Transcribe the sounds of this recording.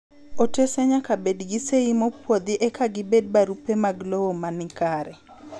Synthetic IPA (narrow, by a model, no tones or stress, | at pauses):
otesɛɲakabedɡɪseimɔpwod̪ɪʔɛkʰaɡɪbed̚baɾupemaɡlowomanɪkaɾɛ